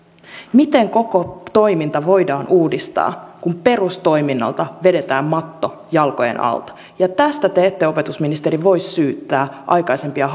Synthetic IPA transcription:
mit̪e̞ŋko̞kot̪o̞jmint̪ɑʋo̞jdɑːnʔuːdist̪ɑ̰ːkumpe̞rust̪o̞jminːɑ̰lt̪ɑʋe̞de̞t̪æːmmɑt̪ːo̞ | jɑlko̞jḛnʔɑ̰lt̪ɑ̥ | jɑt̪æst̪æt̪eet̪ːeo̞pe̞t̪usminist̪eɾiʋo̞jsːyːt̪ːæːʔɑ̰jkɑise̞mpiɑ

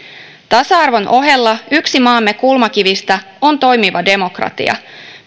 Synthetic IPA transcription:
t̪ɑsɑɑrʋo̞nʔo̞ɦe̞lːɑyksimɑːmːe̞kulmɑkiʋist̪æ | o̞nt̪o̞jmiʋɑde̞mo̞krɑ̰t̪ḭɑ̰

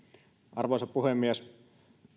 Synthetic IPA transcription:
ʔɑrʋojsɑppuɦemːies

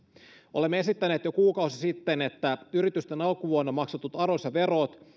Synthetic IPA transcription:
ʔo̞le̞mːee̞sit̪ːæneːt̪jo̞kuːkɑwsisit̪ːenet̪ːæyɾit̪yst̪enɑlkuʋuonːɑmɑksot̪ːut̪ɑɾosɑʋe̞ro̞t̪

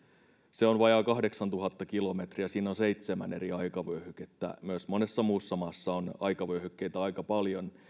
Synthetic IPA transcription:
seonʋɑjɑkɑhde̞ksɑnt̪uɦɑt̪ːɑkilo̞met̪riæsiːnːonse̞it̪semæ̰ne̞̰ɾiɑjkɑʋøɥhyket̪ːæ̰myøsmo̞ne̞sːɑmuːsːɑmɑːsːɑonɑ̰jkɑʋøhykːejt̪æɑjkɑpɑljon

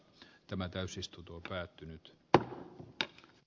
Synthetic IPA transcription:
t̪æmæt̪æysist̪ut̪opæːt̪ːynyt̪

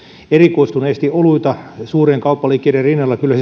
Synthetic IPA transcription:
erikoist̪uneːst̪iʔoluit̪ɑsuːreːŋkɑupːɑliːkˑːierrinːɑlːɑkylːæs

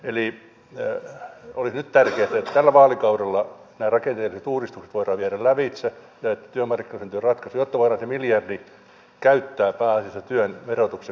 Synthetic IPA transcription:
eli | olisnyt̪t̪ærkeæt̪æet̪t̪ælːæʋɑːlikɑuɾelːɑ | næːrɑkent̪eːlːiset̪uːrist̪ukse̥t̪ʋoirɑːʋieɾællæʋit̪se | jɑet̪ːæt̪yømɑrkːinɑsent̪yørɑt̪kɑsujot̪ːɑʋoirɑːnsemiljɑrdi | kæyt̪ːæːpæːɑsisːɑt̪yønʋerot̪ukse

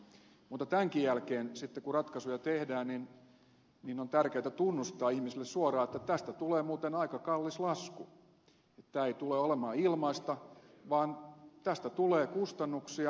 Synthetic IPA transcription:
muːt̪ːˑɑt̪æŋkijjælkeːnsit̪ːekurɑt̪kɑsujɑt̪ehdæːnnin | ninont̪ærkeːt̪æt̪unːust̪ɑːihmisilːessuorɑːet̪ːæt̪æst̪æt̪uleːmuːt̪enɑikɑkɑlːislɑsku | et̪t̪æːeit̪uleːolemɑːilmɑist̪ɑʋɑːnt̪æst̪æt̪uleːkust̪ɑnːuksiɑ

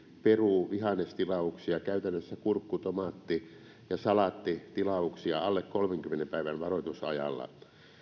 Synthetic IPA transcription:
peruˑʋiɦɑnest̪ilɑuksiɑkæyt̪ænːøsːækurkːut̪omɑt̪ːi | jɑsɑlɑt̪ːit̪ilɑuksiɑɑlːekkolmeŋkymːenempæiʋænʋɑrot̪usɑ̰jɑ̰lːɑ̰

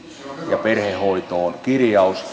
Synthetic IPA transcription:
jɑperhehoit̪oːnkirjɑus

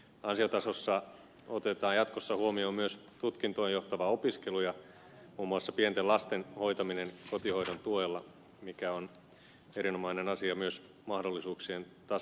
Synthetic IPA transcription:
ɑnsiot̪ɑsosːɑ | ot̪et̪ɑːjɑt̪kosːɑhuomioːmyøst̪ut̪kint̪oejoht̪ɑʋɑopiskelujɑ | muːmuɑsːɑpient̪elɑst̪enho̞jt̪ɑminenkot̪iho̞iɾont̪uojelːɑ | mikæon | eɾinomɑinenɑsiɑmyøs | mɑhdolːisuːksient̪ɑ

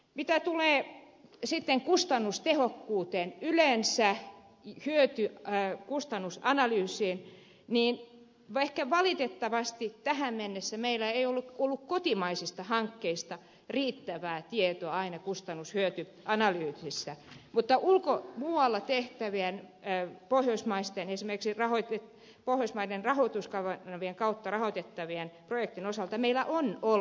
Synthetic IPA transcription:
mit̪æt̪uleː | sit̪ːeŋkust̪ɑnːust̪ehokːuːt̪eːnylensæ | hyøt̪ykust̪ɑnːusɑnɑlyːsiːn | niːn | ʋehkæʋɑlit̪et̪ːɑʋɑst̪it̪æhæmmenːesːæmeilːæeiolːukolːukkot̪imɑisist̪ɑhɑŋkːeist̪ɑ | riːt̪ːæʋæːt̪iet̪oɑɑinɑkust̪ɑnːushyøt̪y | ʔɑnɑlyːt̪isːæmut̪ːɑʔulkomuːwɑlːɑt̪eht̪æʋiænːpohjoismɑist̪enesimerkiksirɑhoit̪e | pohjoismɑidenrɑhot̪uskɑʋɑɑʋieŋkɑut̪ːɑrɑhot̪et̪ːɑʋienprojek̚t̪inosɑlt̪ɑmeilːˑæʔono

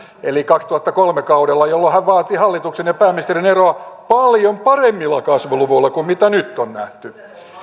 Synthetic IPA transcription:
elikɑkst̪uhɑt̪ːɑkolmekɑudelːɑjolːohæʋʋɑːt̪ihɑlːit̪uksenjɑpæːminist̪erineroɑpɑljompɑremːilːɑkɑsʋuluʋoilːɑkummit̪ænyt̪ːonnæ̰ht̪y

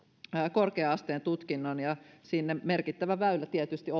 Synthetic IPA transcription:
korkeɑst̪eːnt̪ut̪kinːonjɑsinːemerkit̪ːæʋæʋæylːæt̪iet̪yst̪io

